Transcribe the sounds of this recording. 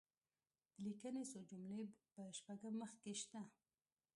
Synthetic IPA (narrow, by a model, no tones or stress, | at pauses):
d̪̥əlikənesod͡ʒʊmlepəʃpaɡəmːəxkeʃt̪a